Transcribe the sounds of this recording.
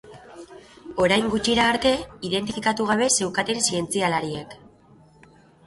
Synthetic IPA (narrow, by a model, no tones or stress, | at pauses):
o̞ɾajŋɡut͡ʃiɾaːɾt̪e̞iðe̞nt̪̬ifikat̪uɣ̞aβ̞e̞se̞wkat̪e̞nsie̞nt͡sialaɾiek